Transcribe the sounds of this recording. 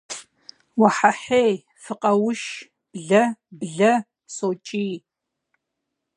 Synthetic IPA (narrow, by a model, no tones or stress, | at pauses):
waħaħej | fɨqʼɐwʊʃ | b̥ɮɐbɮɐ | soːt͡ʃʼiː